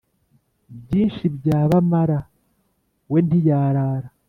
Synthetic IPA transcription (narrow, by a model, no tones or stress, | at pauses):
bɟiːnʃibɟaːβamaɾa | we̞ndijaːɾaːɾa